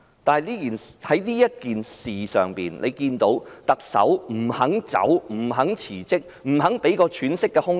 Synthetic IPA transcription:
t̪aː˨jliː˥kiː˨nhɐ˨˥jliː˥jɐ˥t̚kiː˨nsiː˨sœ̰ː˨ŋpiː˨˩nlʔe˨˧jkiː˧nt̪o˨˥wt̪ɐ˨k̚sɐ̰˨˥wm̩˨˩hɐ˨˥ŋt͡sɐ̰˨˥wm̩˨˩ɦɐ˨˥ŋt͡sʰiː˨˩t͡sɪ˥k̚m̩˨˩ɦɐ˨˥ŋpe˨˥jkɔː˧t͡ʃʰyː˨˥nsɪ˥kːɛː˧hʊ˥ŋ

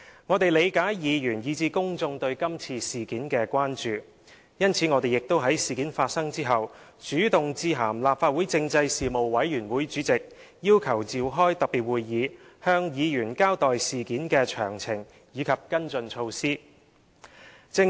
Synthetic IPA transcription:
ŋɔː˨˧t̪e˨jle˨˧jkaː˨˥jjiː˨˧jy˨˩njiː˨˧t͡siː˧kʊ˥ŋt͡sʊ˧ŋt̪ɵ˧ɥkɐ˥mt͡sʰiː˧siː˨˩kiː˨˥nkɛː˧kʷaː˥nt͡ʃyː˨ | jɐ˥nt͡sʰiː˨˥ŋɔː˨˧t̪e˨jɪ˨˩k̚t̪o˥wɦɐ˨˥jsiː˨kiː˨˥nfaː˧t̚sɐ˥ŋt͡siː˥ɦɐ˨˩w | t͡ʃyː˨˥t̪ʊ˨˩ŋt͡siː˧ɦaː˨˩mlaː˨p̚faː˧t̚wuː˨˥jt͡sɪ˧ŋt͡sɐ˧jsiː˨mo˨wwɐ˨˥jjyː˨˩nwuː˨˥jt͡ʃyː˨˥t͡sɪ˨k̚ | jiː˥wkʰɐ˨˩wt͡siː˨wɦɔː˥jt̪ɐ˨k̚piː˨t̚wuː˨˧jːiː˨˧ | hœː˧ŋjiː˨˧jyː˨˩nkaː˥wt̪ɔː˨jsiː˨kiː˨˥nkɛː˧t͡ʃʰœː˨˩ŋt͡sʰɪ˨˩ŋ | jiː˨˧kʰɐ˨p̚kɐ˥nt͡sɵ˧nt͡ʃʰo˧wsiː˥ | t͡sɪ˥˧ŋ

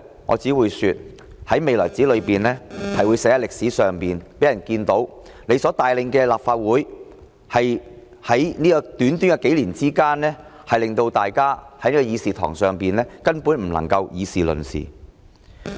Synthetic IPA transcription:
ŋɔ̰ː˨˧t͡siː˨˥wuː˨˧jsyː˨˧t̚ | hɐ˨˥jme˨jlɔː˨˩jt͡siː˨˥lɵ˨˧ɥpiː˨nlɛː˥hɐ˨jwuː˨˧jsɛː˨˧˥a˨˧lɪ˨k̚siː˨˥sœː˨ŋpiː˨˩npe˨˥jɐ˨˩nkiː˧nt̪o˨˥w | ne˨˧jsɔː˨˥t̪aː˨jlɪ˨ŋkɛː˧laː˨p̚faː˧t̚wuː˨˥j | hɐ˨j | hɐ˨˥jniː˥kɔ˧t̪yː˨˥nt̪yː˥ŋkɐ˧ke˨˥jliː˨˩nt͡siː˥kaː˥nlɛː˥hɐ˨jlɪ˨ŋt̪o˧wt̪aː˨jkaː˥hɐ˦jniː˥kɔ˧jiː˨˧siː˨˩t̪ʰɔ̰ː˨˩ŋsœː˨ŋpiː˨nlɛː˥kɐ˥npuː˨˥nm̩˨˩lɐ̰˨˩ŋkɐ˧wjiː˨˧siː˨lɵ̰˨˩nsḭː˨˩

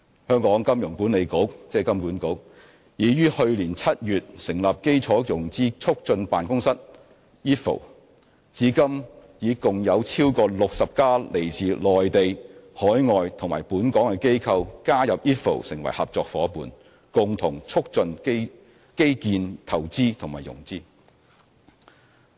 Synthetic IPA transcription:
hœː˥ŋkɔː˨˥ŋkɐ˥mjʊ˨˩ŋkuː˨˥nle˨˧jko˨˥w̚t͡sɛː˥kɐ˥mkuː˨˥nko˨˥w̚ | jiː˨˧jyː˥hɵ˧ɥliː˨˩nt͡sʰɐ˥t̚jyː˨t̚sɪ˨˩ŋlɐ˨p̚ke˥jt͡sʰɔː˨˥jʊ˨˩ŋt͡siː˥t͡sʰʊ˥k̚t͡sɵ˧npaː˨nkʊ˥ŋsɐ˥t̚ | jiː˥t̚fo̰˨˩w | t͡siː˨˥kɐ˥m | jiː˨˧kʊ˨ŋjɐ˨˧wt͡sʰiː˥wkɔː˧lʊ˨k̚sɐ˨p̚kaː˥le˨˩jt͡siː˨lɔː˨jt̪e˨jhɔː˨˥jŋɔː˨jt̪ʰʊ˨ŋma̰ː˨˩jpuː˨˥nkɔː˨˥ŋkɛ˧ke˥jkʰɐ˧wkaː˥jɐ˨p̚jiː˥t̚fo̰˨˩wsɪ̰˨˩ŋwɐ̰˨˩jhɐ˨p̚t͡sɔː˧k̚fɔ̰ː˨˥puː˨˧n | kʊ˨ŋt̪ʰʊ˨˩ŋt͡sʰʊ˥k̚t͡sɵ˧nke˥ | ke˥jkiː˧nt̪ʰɐ˨˩wt͡siː˥t̪ʰʊ˨˩ŋmaː˨jʊ̰˨˩ŋt͡siː˥

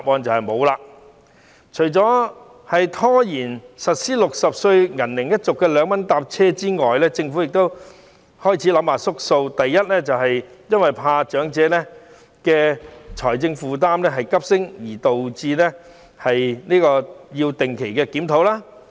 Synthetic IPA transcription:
taː˨p̚ʔɔː˧nt͡sɐ˨whɐ˨jmo˨˧wlaː˧ | t͡ʃʰɵ˨˩jt͡sɔː˨˥ | hɐ˨jt̪ʰɔː˥jiː˨˩nsɐ˨t̚siː˥lʊ˨k̚sɐ˨p̚sɵ˧ɥŋɐ˨˩nlɪ˨˩ŋjɐ˥t̚t͡sʊ˨kːɛː˧lœː˨˧ŋmɐ˨˥nt̪aː˧p̚t͡sʰɛː˥t͡siː˥ŋɔː˨jlɛː˥t͡sɪ˧ŋfu˨˥jɪ˨k̚t̪o˥w | hɔː˥jt͡sʰiː˨˥lɐ˨˧˥mhaː˨sʊ˥k̚so˧wt̪ɐ˨jːɐ˥t̚lɛː˥t͡sɐ˨wɦɐ˨jjɐ˥nwɐ˨jpʰaː˧t͡ʃœː˨˥ŋt͡sɛː˨˥nɛ˥ | kɛː˧t͡ʃʰɔː˨˩jt͡sɪ˧ŋfuː˨t̪̬aː˥mnɛː˥ɦɐ˨jkɐ˥p̚sɪ˥ŋjiː˨˩t̪o˨wt͡siː˧nɛ˥ | hɐ˨jniː˥kɔː˧jiː˧wt̪ɪ˨ŋkʰe˨˩jkɛː˧kiː˨˥mt̪ʰo˨˥wlaː˥

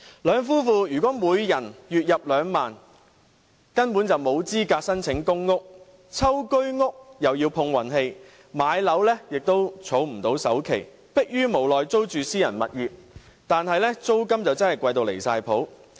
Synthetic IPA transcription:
lœː˨˧ŋfuː˥fuː˨˧jyː˨˩kɔː˨˥muː˨˧jjɐ˨˩njyː˨t̚jɐ˨p̚lœː˨˧ŋmaː˨n | kɐ˥npu˨˥nt͡sɐ˨wmo˨˧wt͡siː˥kaː˧k̚sɐ˥nt͡sʰɪ˨˥ŋkʊ˥ŋːʊ˥k̚ | t͡sʰɐ˥wkɵ˥ɥŋʊ˥k̚jɐ˨wjiː˧wpʰʊ˧ŋwɐ˨˩nɦe˧j | maː˨˧jlɐ˨˥wlɛː˥jɪ˨k̚t̪o˥wt͡sʰo˨˥wm̩˨˩t̪o˨˥wsɐ˨˥wkʰe˨˩j | pɪ˥k̚jyː˥mo˨˩wlɔː˨jt͡so˥wt͡ʃyː˨siː˥jɐ˨˩nmɐ̰˨t̚jiː˨p̚ | t̪aː˨nɦɐ˨jlɛː˥t͡so˥wkɐ˥mt͡sɐ˨wt͡sɐ˥nhɐ˨jkʷɐ˧jt̪o˧wlḛ˨˩jsaː˧jpʰo˨˥w

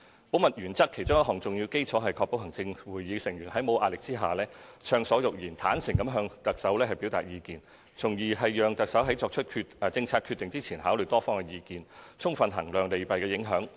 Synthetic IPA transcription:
po˨˥wmɐ˨t̚jɥyː˨˩nt͡sɐ˥kʰːe˨˩jt͡sʊ˥ŋjɐ˥tɦɔː˨˩ŋt͡sʊ˨ŋji˧wke˥jt͡sʰɔː˨˥ɦɐ˨jkʰɔ˧pːo˨˥whɐ˨˩ŋt͡sɪ˧ŋwuː˨˩jjiː˨˥sɪ˨˩ŋjyː˨˩nhɐ˨˥jmo˨˧˥wʔaː˨lɪ˨k̚t͡siː˥ɦa̰ː˨lɛː˥t͡ʃʰœː˧ŋsɔː˨˥jʊ˨k̚jiː˨˩nt̪ʰaː˨˥nsɪ˨˩ŋkɐ˨˥mɦœː˧ŋt̪ɐ˨k̚sɐ˨˥wlɛː˥ɦɐ˨jpi˨˥wt̪a̰ː˨t̚jiː˨˧kiː˨n | t͡sʰʊ˨˩ŋjiː˨˩ɦɐ˨jːœː˨˧ŋt̪ɐ˨k̚sɐ˨˥wɦɐ˨˥jt͡sɔː˧k̚t͡ʃʰɵ˥t̚kʰːt͡sɪ˧ŋt͡sʰaː˧t̚kʰyː˧t̪ːɪ˨ŋt͡siː˥t͡sʰiː˨˩nɦaː˨˥wlɵ˨jt̪ɔː˥fɔː˥ŋkɛ˧jiː˧kiː˨nt͡sʰʊ˥ŋfɐ˨nɦɐ˨˩ŋlœː˨ŋle˨jpɐ˨jkɛː˧jɪ˨˥ŋɦœː˨˥ŋ

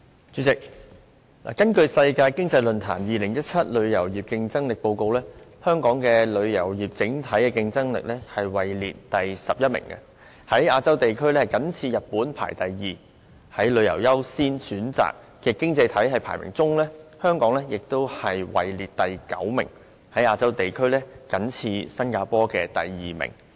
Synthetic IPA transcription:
t͡sy˨˥t͡sɪ˨k̚ | la̰ː˨˩kɐ˥nkɵ˧ɥsɐ˧jkaː˧jkɪ˥ŋt͡sɐ˧jlɵ˨nt̪ʰa̰ː˨˩njiː˨lɪ˨˩ŋjɐ˥t̚t͡sʰɐ˥t̚lɵ˨˧ɥjɐ˨˩wjiː˨p̚kɪ˧ŋt͡sɐ˥ŋlɪ˨k̚po˧wko˧wlɛː˥hœː˥ŋkɔː˨˥ŋkɛː˧lɵ˨˧ɥjɐ̰˨˩wjiː˨˩p̚t͡sɪ˨˥ŋt̪ʰɐ˨˥jkɛː˧kɪ˧ŋt͡sɐ˥ŋlɪ̰˨k̚lɛː˥hɐ˨jwɐ˨˩jlḭː˨t̚t̪ɐ˨jsɐ˨p̚jɐ˥t̚mɪ̰˨˩ŋkɐ̰˧ | hɐ˨˥jaː˧t͡sɐ˥wt̪e˨jkʰɵ˥ɥlɛː˥hɐ˨˩jkɐ˨˥nt͡sʰiː˧jɐ˨t̚puː˨˥npʰa̰ː˨˩jt̪ɐ˨jjiː˨˩ | hɐ˨˥jlɵ˨˧ɥjɐ˨˩wjɐ˥wsiː˥nsyː˨˥nt͡sa̰ː˨k̚ːɛː˧kɪ˥ŋt͡sɐ˧jt̪ʰɐ˨˥jɦɐ˨jpʰa̰ː˨˩jmɪ̰˨˩ŋt͡sʊ˥ŋlɛː˥hœː˥ŋkɔː˨˥ŋlɛː˥jɪ˨k̚t̪o˥whɐ˨jwɐ̰˨jliː˨t̚t̪ɐ˨jkɐ̰˨˥wmɪ̰˨˩ŋ | hɐ˨˥jaː˧t͡sɐ˥wt̪e˨jkʰɵ˥ɥlɛː˥kɐ˨˥nt͡sʰiː˧sɐ˥nkaː˧pɔː˥kɛː˧t̪ɐ˨jːiː˨mɪ̰˨˩ŋ

